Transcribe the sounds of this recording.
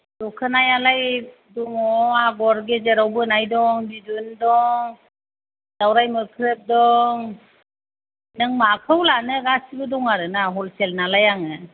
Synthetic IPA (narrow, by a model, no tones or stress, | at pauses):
dɔkʰɯnajalaj | dɔŋɔaɡɔɾɡezeɾawbɯnajdɔŋbidundɔŋ | dawɾajmɯkʰɾɯp̚dɔŋ | nɯŋmakʰɯwlanɯɡasibɯdɔŋaɾɯnaɦɔlselnalajaŋɯ